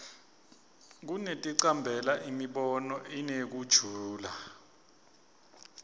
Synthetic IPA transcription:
k̬unetʼiǀambʱɛlaʔimiɓɔnɔinek̬ud̥ʒ̥ʱuːla

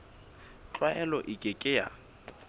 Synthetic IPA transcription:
t͡ɬʼwaɛlɔʔɪkʼɪkʼɪja̰

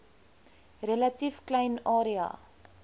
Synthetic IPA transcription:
relɐtifklɛjnɑːɾiɑ̰ː

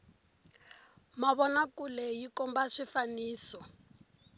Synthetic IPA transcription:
maβɔnakulɛjikɔmbaʂifaniːsɔ

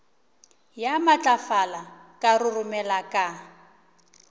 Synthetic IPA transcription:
jamat͡ɬʼafala | kʼarʊrʊmɛlakʼa

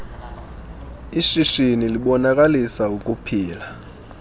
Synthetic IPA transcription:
iʃiʃiniliɓɔnakʼalisaukʼupʰiːla

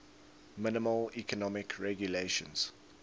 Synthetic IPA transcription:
mɪnɪməlikʰɔnɔmɪkʰɹɛɡjuleʃə̰̃nz̥

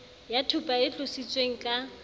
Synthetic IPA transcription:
jatʰupʼaɪɬʊsit͡sʼweŋ̩kʼa

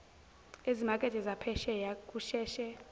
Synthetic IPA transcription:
ezimakʼɛtʼɛzapʰɛʃɛjakʼuʃɛːʃɛ

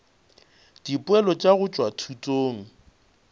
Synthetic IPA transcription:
d̥ipʼʊɛlɔt͡ʃʼaɣʊt͡ʃʼwatʰutʼoːŋ̩

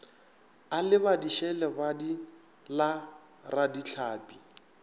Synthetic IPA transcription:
alɪβadiʃɛlɛbadi | la | radit͡ɬʰaːpʼi

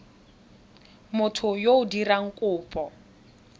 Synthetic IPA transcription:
mʊtʰʊjoʊdiraŋ̩kʼʊːpʼɔ

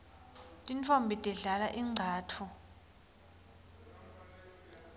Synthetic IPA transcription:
tʼint͡fʰombʱitʼiɮalaʔiŋ͡ǀʱaːtʰu

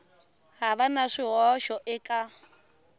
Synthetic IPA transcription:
ɦaβanaʂiɦɔʃɔʔɪkʼa

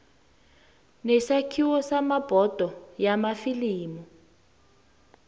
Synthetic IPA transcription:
nɛsakʰiwɔsamab̥ʱɔd̥ʱɔjamafiliːmɔ

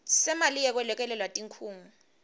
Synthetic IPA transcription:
sɛmalijɛk̬wɛlɛk̬ʼɛlɛlwatʼiŋkʰuːŋu

